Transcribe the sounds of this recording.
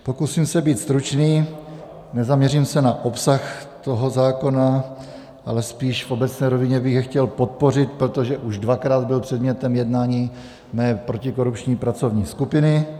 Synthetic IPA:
po̞kusimsɛbiːt̪st̪ɾut͡ʃniː | nɛzamɲɛrimsɛnaʔo̞psaxt̪o̞ɦo̞zaːko̞na | ʔalɛspiːʃfʔo̞bɛt͡snɛːɾo̞vɪɲɛbɪɣjɛxcɛlpo̞t̪̚po̞rɪt̪pɾot̪oʒɛʔuʒdvakɾaːd̪̚bɪlpr̥ɛd̪mɲɛt̪ɛmjɛdnaːɲiː | mɛːpɾo̞cɪko̞ɾupt͡ʃɲiːpɾat͡so̞vɲiːskupɪnɪ

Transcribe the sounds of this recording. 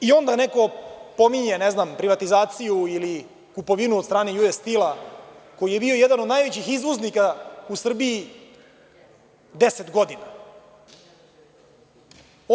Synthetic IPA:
io̞nd̪aneko̞po̞miɲeneznampɾiʋat̪izaːt̪sijuili | kupo̞ʋinuod̪st̪ɾaːnejuest̪ilako̞jijebio̞jɛd̪anod̪naːjʋet͡ɕixizʋoznikausr̩biː | d̪eset̪ɡo̞d̪ina

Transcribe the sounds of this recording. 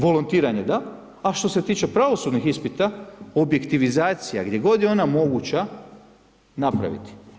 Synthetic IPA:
ʋo̞lont̪iːɾaɲed̪aː | ʃt̪o̞se̞t̪iːt͡ʃe̞pɾaʋo̞sud̪nixispit̪ao̞bje̞kt̪iʋizaːt̪sijaɡd̪je̞ɡo̞d̪jeo̞namo̞ɡut͡ɕa | napɾa̰ʋḭt̪i̥

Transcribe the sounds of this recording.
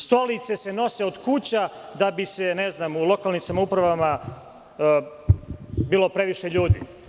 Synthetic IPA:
st̪o̞lit̪se̞seno̞se̞od̪kut͡ɕad̪abiseneznaːmulo̞kalnimsamaupɾaʋama | biːlˠo̞pɾe̞ʋiʃe̞ʎuːd̪ḭ

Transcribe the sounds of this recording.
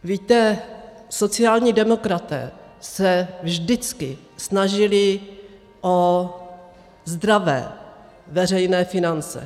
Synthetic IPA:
viːt̪ɛ | so̞t͡sɪaːlɲiːdɛmo̞kɾat̪ɛ̰ːsɛvʒdɪt͡skɪ | snaʒɪlɪ | ʔo | zd̪ɾavɛ̰ː | vɛrɛjnɛːfɪnant͡sɛ̰

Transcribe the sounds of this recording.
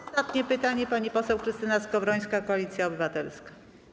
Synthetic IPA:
t̪at̪ɲɛpɘt̪aɲɛpaɲipɔsɛwkɾɘst̪ɘnaskɔvɾɔj̃skakɔalʲit̪sʲjaɔbɘvat̪ɛlskḁ

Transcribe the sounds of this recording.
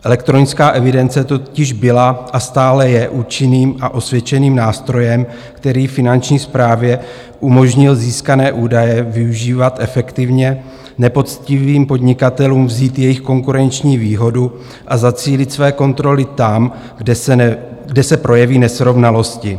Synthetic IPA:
ʔɛlɛkt̪ɾo̞nɪt͡skaːʔɛvɪdɛnt͡sɛt̪ocɪʒbɪlaʔast̪aːlɛjɛʔuːt͡ʃɪniːmʔaʔo̞svjɛt͡ʃɛniːmnaːst̪ɾo̞jɛm | kt̪ɛɾiːfɪnant͡ʃɲiːspɾaːvjɛ | ʔumo̞ʒɲɪlziːskanɛːʔuːdajɛvɪuʒiːvat̪ʔɛfɛkt̪ɪvɲɛ | nɛpo̞t̪t͡scɪviːmpodɲɪkat̪ɛluːmvziːt̪jɛjɪxko̞ŋkuɾɛnt͡ʃɲiːviːɦo̞du | ʔazat͡siːlɪt̪svɛːko̞nt̪ɾo̞lɪt̪am | ɡdɛsɛpɾʔo̞jɛviːnɛsɾo̞vnalo̞scɪ

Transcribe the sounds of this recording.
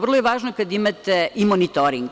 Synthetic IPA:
ʋrlojeʋaːʒnokad̪imat̪ɛimonit̪oɾiŋɡ

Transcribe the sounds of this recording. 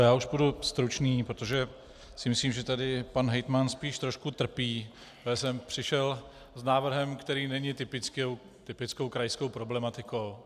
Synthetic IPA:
jaːuʃbudust̪ɾut͡ʃniːpɾot̪oʒɛ | sɪmɪsliːmʒɛt̪adɪpanɦɛjt̪manspiːʃt̪ɾo̞ʃkut̪r̩piː | ɛsɛmpr̝̥ɪʃɛl | znaːvr̩ɦɛmkt̪ɛɾiːnɛɲɪt̪ɪpɪkow | t̪ɪpɪt͡sko̞wkɾajskowpɾo̞blɛmat̪ɪkow

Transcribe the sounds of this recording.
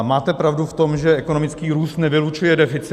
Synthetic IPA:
maːt̪ɛpɾavduft̪o̞mʒɛʔɛko̞no̞mɪt͡skiːɾuːst̪nɛvɪlut͡ʃujɛdɛfɪt͡s

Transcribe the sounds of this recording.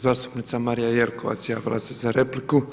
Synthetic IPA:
zaːst̪u̥pnit̪samaɾijajelkoʋa̰t̪sja̰ːʋila̰sezaɾepliku

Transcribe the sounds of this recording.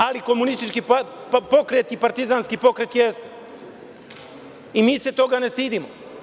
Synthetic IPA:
aliko̞munist̪it͡ʃkipo̞kɾet̪ipaɾt̪izanskipo̞kɾet̪jest̪ | imiːset̪o̞ɡanest̪iːd̪imo

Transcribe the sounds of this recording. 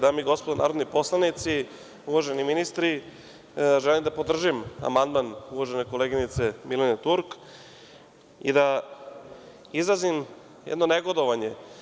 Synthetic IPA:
d̪amiɡo̞spod̪onʔa̰ːɾod̪nipo̞slˠanit̪si | uʋaʒeniminist̪ɾi | ʒelimd̪apod̪r̩ʒima̰mand̪manuʋaʒeneko̞leɡinit̪se̞milenet̪uɾk | ḭd̪a | izazim | jɛ̰d̪no̞neɡo̞d̪oʋaɲe̞

